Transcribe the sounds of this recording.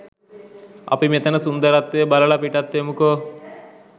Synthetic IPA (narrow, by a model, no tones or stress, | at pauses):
ɐ̰pimet̪ɐnɐsund̪ɐɾɐt̪ːeːbɐlɐɭɐpiʈɐt̪ːemuko